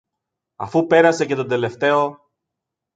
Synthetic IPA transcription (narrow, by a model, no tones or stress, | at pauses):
ɐ̰fupe̞ɾɐse̞ce̞t̪od̪e̞le̞ft̪e̞o̞